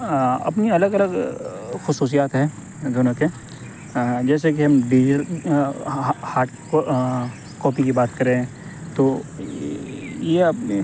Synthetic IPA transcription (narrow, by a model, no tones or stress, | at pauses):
ɐ̰pniɐləɡɐləɡxʊsuːs̬ijaːt̪ɦɛː | ɡʊnəke | d͡ʒɛːs̬ekiɦɐmbiːɾ | haːʈ | kɔːpikibaːt̪kɐɾẽɦɛ̃ | t̪oː | jepi